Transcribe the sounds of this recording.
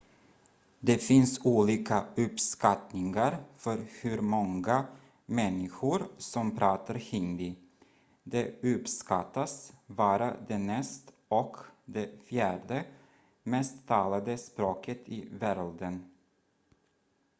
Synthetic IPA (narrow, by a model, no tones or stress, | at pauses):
d̪ɛfɪnsuːliːkaɵpskat̪nɪŋaɾfœɾhɵɾmɔŋɡa | mɛnːɪɧʊɾsɔmpʰɾɑːt̪aɾhɪnd̪ɪ | d̪ɛɵpskat̪ːasbɑːɾad̪ɛnɛst̪ | ɔkd̪ɛfjæːɖə | mɛst̪ʰːɑːlad̪əspɾoːkʰət̪ʰɪvæɾd̪ən